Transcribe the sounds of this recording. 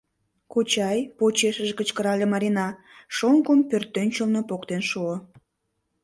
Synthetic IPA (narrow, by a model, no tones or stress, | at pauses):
kot͡ɕɑjpot͡ɕeʃəʒkət͡ɕkəɾɑlʲemɑɾinɑ | ʃoŋkompørt̪ːønʲt͡ɕəlnopokt̪enʃuo